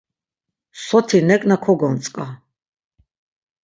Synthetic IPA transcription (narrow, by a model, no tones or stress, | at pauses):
sɔt̪ʰinɛkʼnakʰɔɡɔnt̪t͡s̪ʼkʼa